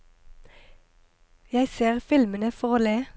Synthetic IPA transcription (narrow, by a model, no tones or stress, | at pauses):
jæɪseːʁfɪlmənəfɔʁoːleː